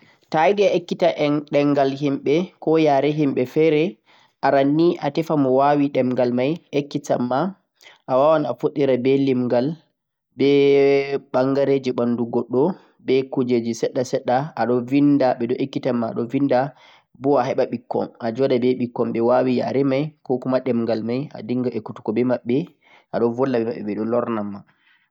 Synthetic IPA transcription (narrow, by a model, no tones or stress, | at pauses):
tajdɛaekːitaʔɛɗɛŋɡalɦimɓɛkɔjaːɾɛɦimɓɛfɛɾɛ | ʔaɾanːiʔatɛfamɔwawiɗɛmɡalmajekːita̰mːa | ʔawawanafoɗːiɾabɛlimɡal | bɛ | ɓaŋɡaɾed͡ʒiɓanduɡɔɗːɔ | bɛkud͡ʒed͡ʒisɛɗːasɛɗːaaɗɔvindaɓɛdɔʔekːitamːa̰ːɗɔvinda | bɔaɦɛɓaɓikːɔ̰mad͡ʒɔɗabɛɓikːɔmɓɛwawia̰ɾɛmajkɔkumaɗɛmŋɡalmaja̰diŋɡaekːutu̥kɔbɛmaɓːɛ | ʔaɗɔvɔlːabɛmaɓːɛɓɛɗɔlɔɾnamːa